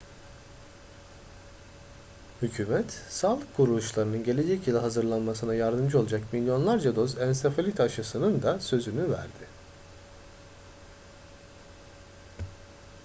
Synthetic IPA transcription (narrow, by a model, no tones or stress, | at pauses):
hycʰyːmɛt̪saːlˠɯkʰːuɾulˠuʃlˠaɾɯnɯnɟe̞lʲe̞d͡ʒɛcilʲˠaɦazɯɾlˠanmasɯnajaɾd̪ɯmd͡ʒɯolˠad͡ʒakmilʲjo̞nlˠaɾd͡ʒad̪o̞zænsefalʲit̪ʰaʃasɯnɯnd̪asø̞zynyvæ̰ɾd̪ɪ